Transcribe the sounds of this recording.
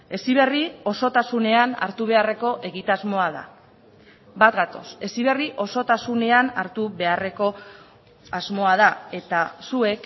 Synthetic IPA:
e̞siβ̞e̞rio̞so̞t̪asune̞ana̰ɾt̪uβ̞e̞are̞ko̞ʔe̞ɣit̪azmo̞aða̰ | bat̪ɡat̪o̞se̞siβe̞riʔo̞so̞t̪asune̞anaɾt̪uβe̞are̞ko̞ | azmo̞að̞ae̞t̪asue̞k

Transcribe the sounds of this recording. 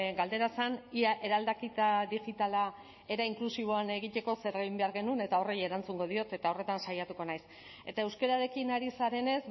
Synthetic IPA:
ɡald̪e̞ɾasaniaʔe̞ɾald̪akit̪aðiʝit̪ala | e̞ɾaiŋklusiβ̞o̞ane̞ɣ̞it̪e̞ko̞se̞ɾeɣimbe̞aɾɣe̞nune̞t̪ao̞reje̞ɾant͡suŋɡo̞ð̞io̞t̪e̞t̪ao̞re̞t̪ansajat̪uko̞najs | e̞t̪aewskeɾaɾe̞kinaɾisaɾe̞ne̞z

